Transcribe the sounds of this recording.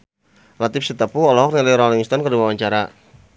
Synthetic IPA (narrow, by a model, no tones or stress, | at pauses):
lat̪ɪfsit̪əpuɔlɔɦɔk̚naliɔɾaliŋst̪ɔnkəduawaɲt͡ʃaɾa